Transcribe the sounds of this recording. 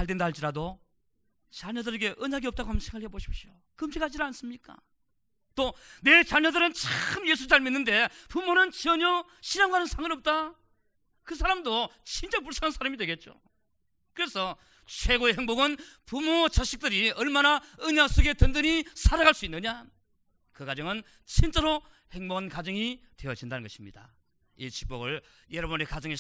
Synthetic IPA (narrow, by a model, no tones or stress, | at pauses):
aɭde̞ndaɦɭt͡ɕiɾado | t͡ɕaɲʌdɯɾeɡe̞ʔɯɲaɡiʌp̚t͈aɡoɦamsʰekaɭeboɕʰi̥p̚ɕio | kɯmɕʰikhad͡ʑiɾɯɭans͈ɯmɲik͈a̰ | t͈one̞t͡ɕaɲʌdɯɾɯnt͡ɕaɯmje̞sʰuaɭmenːɯnde̞pumonɯnt͡ɕʌɲʌ | ɕʰinaŋɡanɯnsʰaŋɯnʌp̚t͈a | kɯs̬ʰaɾamdot͡ɕint͡ɕ͈ʌpuɭsʰaansʰaɾamidwe̞ɡe̞t̚t͡ɕ͈o̰ | kɯɾe̞sʰʌ | t͡ɕʰwe̞ɡoeɦe̞ŋboɡɯnpumot͡ɕaɕʰi̥k̚t͈ɯɾiʌɭmanaɯɲas͈oɡe̞tɯndɯɲisʰaɾaɣaɭs͈uinːɯɲa | kɯkad͡ʑʌŋɯn | t͡ɕint͡ɕ͈aɾo | he̞ŋboɡɯnkad͡ʑʌŋitwe̞ʌd͡ʑindanɯnɡʌɕʰimɲḭd̥a̰ | it͡ɕi̥k̚p͈oɡɯɭjʌɾʌbunekad͡ʑɯŋe